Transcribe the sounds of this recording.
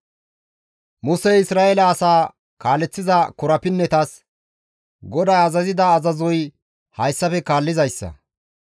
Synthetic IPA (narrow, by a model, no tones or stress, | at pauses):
mʊsɛɪsɾaːʔɛlɐːsaː | kaːlːɛt͡sːɪzɐkɔɾɐpɪnːɛt̪ɐs | ɡɔd̪ɐjɐzɐzɪd̪ɐːzɐzɔj | hɐjsːɐfɛkaːlːɪzɐjsːɐ̰